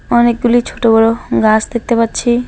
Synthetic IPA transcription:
ɔnek̚ɡulit͡ɕʰoʈobɔɽoɡasd̪ek̚t̪epatːɕʰi

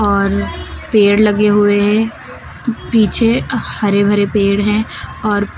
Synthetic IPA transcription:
ɔːɾpeːɽlɐɡeɦʊeɦɛ̃ | piːt͡ʃʰehɐɾebʱɐɾepeːɽɦɛ̃ɔːɾ

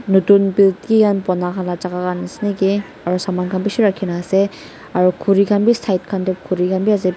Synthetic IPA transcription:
nutunbiltkiɡanpɔnakʰalat͡ʃaɡaɡanasniɡe | aɾusamankʰanbisuɾakʰːinaase | aɾukʰuɾikʰanbistʰajt̚kʰandɯp̚kʰuɾikʰanbiaze

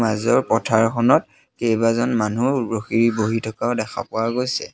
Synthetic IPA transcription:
mazɔɹpɔtʰaɹkʰɔnɔt̚ | kejbazɔnmanuɹoxiɹiboɦitʰɔkaʊdɛxʰa̰pʊwaɡojsɛ

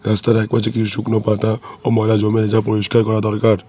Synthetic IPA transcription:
ɾast̪aɾɛk̚pat͡ʃʰikit͡ʃʰusuknɔpat̪ãɔmɔjlad͡ʒɔmened͡ʒapɔɾiskaɾkɔɾad̪ɔɾkaɾ

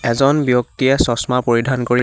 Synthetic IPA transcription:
ɛzɔnbjok̚tiɛsɔsmapoɹidʱankoɹi

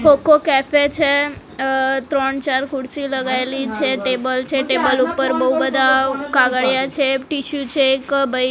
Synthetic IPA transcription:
pokokɛfet͡ʃʰe | t̪ɾoɳt͡ʃaɾkuɽsiləɡajlit͡ʃʰeʈebəlt͡ʃʰeʈebəlupəɾbəɦubəd̪ʱakaɡəɭjat͡ɕʰeʈiɕut͡ɕʰeːkbəj

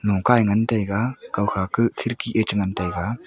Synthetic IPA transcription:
nɔkajŋantajɡakawxakɯkʰiɾkiʔet͡ʃŋantajɡa

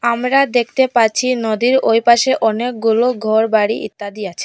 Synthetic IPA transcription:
amɾad̪ek̚ʰt̪epaɾt͡ɕʰinod̪iɾojpaʃeʔɔnek̚ɡuloɡʱɔɾbaɽiʔḭt̪ːad̪iat͡ɕʰe̥

